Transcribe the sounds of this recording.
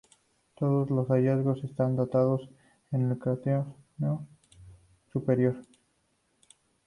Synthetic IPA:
t̪o̞ðo̞zlo̞saʝazɣo̞se̞st̪and̪ot̪að̞o̞s | enelkaθono | supe̞ɾjo̞ɾ

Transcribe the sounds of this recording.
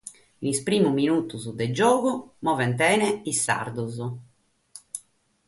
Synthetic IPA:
nispɾiːmuminut̪uzud̪ɛd͡ʒɔːɣumɔːvɛnt̪̬ɛːnɛisːa̰ɾd̪uzu

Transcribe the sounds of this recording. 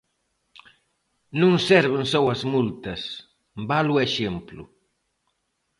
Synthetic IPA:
nũŋsɛɾβɪŋsowɐzmult̪ɐs | balʊeʃemplṵ

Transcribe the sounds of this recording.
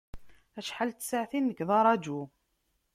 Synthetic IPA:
æʃħalt̪ːsaʕθinːəkðˤɑɾˤɑd͡ʒu

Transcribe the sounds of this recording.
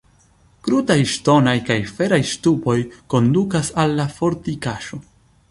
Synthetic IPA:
kɾutajʃto̞najkajfe̞ɾajʃtupo̞jko̞ndukasalːafo̞ɾtikaʃo̞

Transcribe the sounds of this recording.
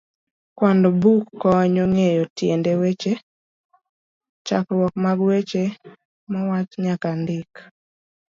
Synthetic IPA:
kwɔndɔbukːɔɲɔŋejɔtjendewet͡ʃe | t͡ʃa̰kɾwɔkmaɡwet͡ʃe | mɔwat͡ʃɲakandɪk

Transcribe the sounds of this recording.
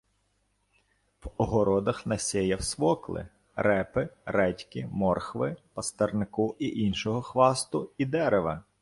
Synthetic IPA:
wɔɦɔɾɔd̪ɐxnɐsʲɛjɐwsʋɔklˠɪ̰ | ɾɛpɪɾɛtʲkɪmɔrxʋɪpɐst̪ɛrnɪkʊʔiʔinʃɔɦɔxʋɑst̪ʊid̪ɛɾeʋɐ

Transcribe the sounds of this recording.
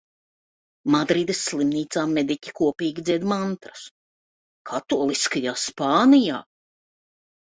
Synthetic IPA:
mad̪ɾiːd̪esːlˠimniːt̪saːmɛd̪icʲi̥kuɔpiːɡʲid̪ziɛd̪mant̪ɾɐs | kʰat̪uɔlˠiskajaːspaːnija̰ː

